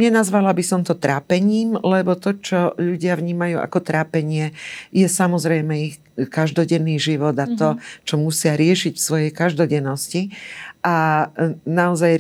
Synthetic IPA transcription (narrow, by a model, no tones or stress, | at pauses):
ɲɛnazʋalabisɔmt̪ɔt̪ɾaːpɛɲiːmlɛbɔt̪ɔt͡ʃɔʎuɟɪavɲiːmajuːʔa̰kɔt̪ɾaːpɛɲɪɛjɛsamɔzɾɛjmɛix | kaʒd̪ɔɟɛnːiːʒiʋɔd̪at̪ɔt͡ʃɔmusɪaɾɪɛʃiɟfsʋɔjɛjkaʒd̪ɔɟɛnːɔsciʔa | naɔzaj